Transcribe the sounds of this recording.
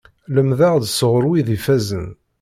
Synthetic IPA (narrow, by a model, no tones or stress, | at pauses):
ləmðæʁd̪səʁəɾwiðifæzən